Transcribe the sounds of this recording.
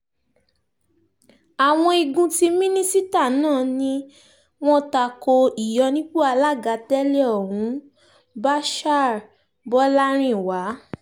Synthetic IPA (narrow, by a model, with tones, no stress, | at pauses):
a˨w̃ɔ̃˧i˧ɡũ˧ti˧˦mĩ˦nĩ˦si˦ta˦˨˦nãː˦˨nĩ˧ | w̃ɔ̃˦ta˧ko˧i˨jɔ˧nĩ˦k͡pu˦a˧la˦˨ɡa˧tɛ˦le˦ɔ˨hũ˨˦ | ba˦ʃa˦˨ɾ | bɔ˦la˦ɾ̃ĩ˦˨wa˨˦